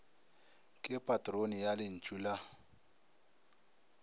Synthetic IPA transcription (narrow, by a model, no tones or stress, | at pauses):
kʼɪpʼatʼronijalɪn̩t͡ʃʼula